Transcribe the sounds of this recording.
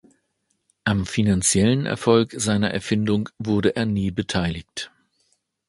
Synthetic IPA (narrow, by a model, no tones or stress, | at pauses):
ʔamfinant͡sjɛlənʔɛ̰ɐfɔlkz̥aɪnɐʔɛ̰ɐfɪndʊŋvʊɐɾəʔeːɐniːbətʰaɪlɪçt